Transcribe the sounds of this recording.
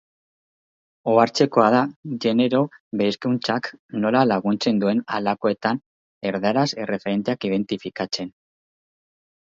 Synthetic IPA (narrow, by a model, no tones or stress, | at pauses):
oaɾt͡se̞ko̞að̞aʝe̞ne̞ɾo̞βeskunt͡sakno̞lalaɣunt͡se̞nd̪ue̞nalako̞e̞t̪an | e̞ɾðaɾasere̞fe̞ɾe̞nt̪e̞akiðe̞nt̪ifikat͡se̞n